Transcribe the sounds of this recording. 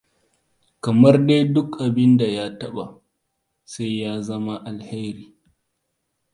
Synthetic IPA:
kɐ˨mɐ˦rde˦jdʊ˦kʔa˨bɪ˦nda˨jaː˦tɐ˦ɓa˨ | sa˦jjaː˦zɐ˦ma˦ʔa˨lhe˦ɾiː˨

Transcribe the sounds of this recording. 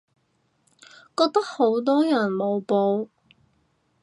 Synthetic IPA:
kɔː˧k̚t̪ɐ˥k̚ho˨˥wt̪ɔː˥jɐ˨˩nmo˨˧wpo˧w

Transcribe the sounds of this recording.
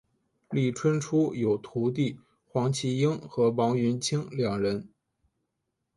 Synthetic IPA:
li˥˩ʈ͡ʂʰwə˥nʈ͡ʂʰu˥jo˨˩ʊt̪ʰu˧˥t̪̬i˥˩ | xwɑ˧˥ŋt͡ɕʰi˥i˥ŋxɤ˧˥pɑ˧˥ŋɥy˧˥nt͡ɕʰi˥ŋljɑ˨˩ŋɻə˧˥n

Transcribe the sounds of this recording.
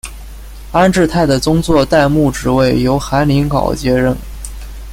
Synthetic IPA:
a˥nʈ͡ʂɻ̩˥˧t̪ʰa˥˩ɪd̪ə˩t͡sʊ˥ŋt͡swɔ˥˧t̪a˥˧ɪmu˥˩ʈ͡ʂɻ̩˨˧˥we˥˩ɪjo˧˥ʊxa˧˥nli˧˥ŋkɑ̰˨˩ʊt͡ɕjɛ˥ɻə˥˩n

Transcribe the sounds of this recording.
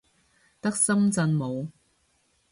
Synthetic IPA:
t̪ɐ˥k̚sɐ˥mt͡sɐ˧nmo˨˧w

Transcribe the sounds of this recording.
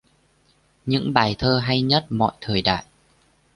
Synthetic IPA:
ɲɨ̰˧˥ŋɓaː˨˩jt̪ʰəː˧ɦa˧jɲə˦˥t̚mɔ̰˧˨jt̪ʰəː˨˩jɗa̰ː˧˨j

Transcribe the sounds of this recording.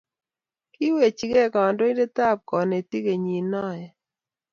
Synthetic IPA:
ki˦we˨t͡ʃi˦ke˦˨kɔ˨ndo˦i˦nde˦ta˦˨p̚kɔ˨ne˨ti˦ke˨ɲi˨nɔ˦˨jɛ˨

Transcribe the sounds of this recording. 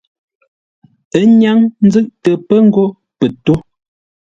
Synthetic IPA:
ə˦ɲa˦ŋn̩˦d͡zɨ˦˨ʔtə˨pə˦ŋ̩˦ɡo˦ | pə˨to˦

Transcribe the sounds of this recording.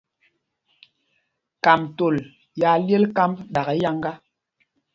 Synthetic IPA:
ka˨mto˨l | ja˨lje˦lka˦mbɗa˨ɣɛ˨˦ja˦ŋɡa˦

